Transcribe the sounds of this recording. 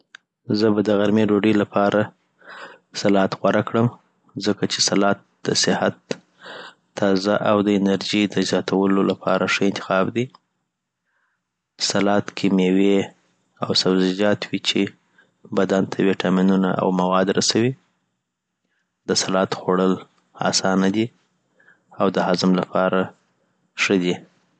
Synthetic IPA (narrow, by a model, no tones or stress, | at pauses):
zəbad̪əɣaɾmeɖoɖəlapʰɑɾʔa | salɑt̪ɣwaɾʔakɽəm | zəkat͡ʃesalɑt̪̚d̪̥əsɪhat̪ | ɑzaʔawd̪əɪnaɾʒid̪əzjɑt̪ʰawəlolapʰɑ̰ɾʔaʂəɪnt̪ɪ̥xɑbd̪i | salɑt̪kʰemewe | awsabzɪd͡ʒɑt̪wit͡ʃe | bad̪ant̪ʰawiʈʰɑminuna̰ʔa̰wmawɑd̪ɾasawi | d̪əsalɑt̪xoɽəl | ɑ̰sɑnad̪i | awd̪əɦazɪmlapʰɑɾa | ʂəd̪i